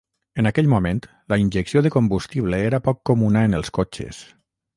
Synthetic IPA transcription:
ənakɛʎmument̪ | ləinʲʒəksioðəkombust̪iβləeɾapɔkːomunaənəlˠskot͡ʃḛs

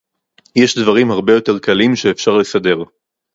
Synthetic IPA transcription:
jeʃdvɐʁimhaʁbe̞jo̞te̞ʁkalimʃeːfʃaʁle̞sade̞ʁ

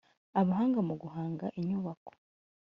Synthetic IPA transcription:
aβaɦaːŋɡamuɡuɦaːŋɡaʔiɲuβako̥

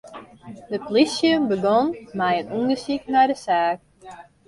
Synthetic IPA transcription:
dəplisjəbəɡɔnmɛjənunəsiknajdəsaːk

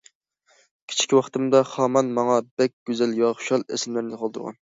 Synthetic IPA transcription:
kʲʰi̥t͡ʃʰi̥kʲʰwɑχt̪ɨmd̪ɑχɑmɑnmɑŋɑbɛkʲɡ̥ʲyzæljɑχʊʃɑlˠḛsɪmlæɾnɪqʰɑlˠt̪uɾʁɑ̰n

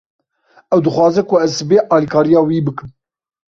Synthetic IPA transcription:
ɛwd̪ɨxʷwɑːzɛkʰʊɛzbeːʔɑːlikʰɑːɾijɑːwiːbɨkɨm

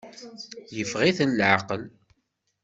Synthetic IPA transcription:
jəfʁiθnlʕaqəl

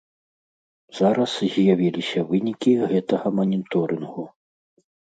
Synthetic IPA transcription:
zaɾɐszʲjavʲilʲisʲɐvɨnʲikʲiɣɛt̪ɐɣɐmɐnʲit̪ɔɾɨnɣu

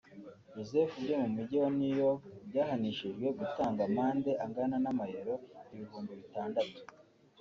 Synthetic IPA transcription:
jozefubɟemumiɟiwonijo̞bɟaːɦaniʃiʒɡwe̞ɡutaːŋɡamaːnde̞ʔaŋɡananamajeɾoiβiɦuːmbiβitaːndatu̥

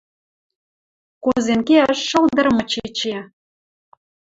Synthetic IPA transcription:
kozenkeæʃːɤ̆ld̪ə̆ɾmɤ̆t͡ɕet͡ɕe

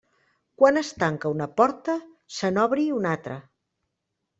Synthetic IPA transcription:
kwanəst̪aŋkəunəpɔɾt̪ə | sənɔβɾiunat̪ɾə̰

